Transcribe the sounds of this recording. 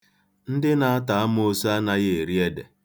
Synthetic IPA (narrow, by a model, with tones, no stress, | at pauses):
n̩˦dɪ˦na˨a˦ta˨a˦m˦o˦sa˦na˦ɣe˦˨e˨ɾi˦e˦dḛ˨